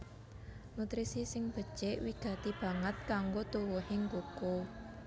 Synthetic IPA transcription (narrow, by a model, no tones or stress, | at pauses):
nut̪ɾisisɪŋb̥ə̤̥t͡ʃeʔwiɡ̥ä̤t̪ib̥ä̤ŋət̪̚kaŋɡot̪uwuheŋkoko